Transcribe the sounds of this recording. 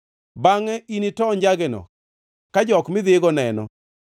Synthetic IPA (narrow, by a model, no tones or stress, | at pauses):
baŋɛinitɔɲd͡ʒaɡɛnɔ̰ | kad͡ʒɔkmɪd̪ɪɡɔnɛnɔ̰